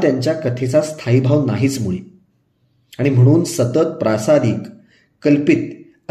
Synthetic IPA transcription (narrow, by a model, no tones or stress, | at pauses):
t̪jaɲt͡ɕjakət̪ʰet͡sast̪ʰaibʱaʋnaɦiːt͡smuɭe | aɽ̃im̤əɽ̃uːnsət̪ət̪̚pɾasad̪iːk | kːəlpit̪̚ | ə